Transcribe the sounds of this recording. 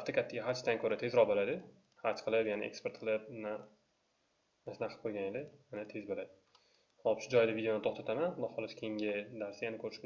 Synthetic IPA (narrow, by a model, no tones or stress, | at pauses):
aft̪akʲʰat̪ʰːaɡʲaɦat͡ʃt̪ʰaŋkʲʰɵɾat̪ʰe̞zɾɒbolad̪ɪ | hat͡ʃqʰɨlˠɪbjanɪ̰ʔekspe̞ɾt̪̚qʰɨlˠɪp̚na | nasɪnaqʰɨ̥p̚qʰojɡʲaned̪ɪjanat̪ʰe̞zbolad̪ɪ | hɒpʃʊd͡ʒɒjd̪avʲid̪eonɪt̪ʰoχt̪ʰat̪ʰamanmahɒlˠɪskʲʰejŋɡʲɪd̪aɾsijanɪkʰɵɾɪʃkʲ